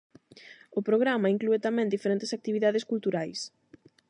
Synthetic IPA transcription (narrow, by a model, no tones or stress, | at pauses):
ʊpɾoɣɾamɐiŋkluet̪amɛ̃nd̪ifeɾent̪esak̚t̪iβiðaðɪskult̪uɾajs